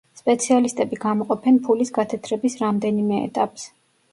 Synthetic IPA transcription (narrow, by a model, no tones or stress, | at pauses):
spʼɛt̪sʰialist̪ʼɛbiɡamɔqʼɔpʰɛnpʰulisɡat̪ʰɛt̪ʰɾɛbisɾamd̪ɛnimɛɛ̰t̪ʼapʼs